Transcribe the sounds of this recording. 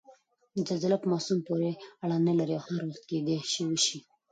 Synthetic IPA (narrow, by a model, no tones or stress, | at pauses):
d͡ʒalzalapəmɑsumpoɾeaɽanəlaɾiawhaɾwaχt̪̚ked̪eʃiwəʃi